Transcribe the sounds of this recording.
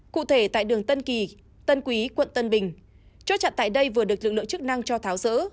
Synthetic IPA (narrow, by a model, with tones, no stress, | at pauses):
kṵ˧˨t̪ʰe˧˩t̪a̰ː˧˨jɗɨ˨˩əŋt̪ə˧nki˨˩ | t̪ə˧nkwi˨˦kwə̰˧˨nt̪ə˧nɓï˨˩ŋ̟ | t͡ɕɔ˨˦˥t̚t͡ɕa̰˧˨nt̪a̰ː˧˨jɗə˧jvɨ˨˩əɗɨ˨˩ək̚lɨ˨˩k̚lɨ̰˧˨ə˨ŋt͡ɕɨ˦˥k̚na˧ŋt͡ɕɔ˧t̪ʰaː˨˦wzə̰ː˧˥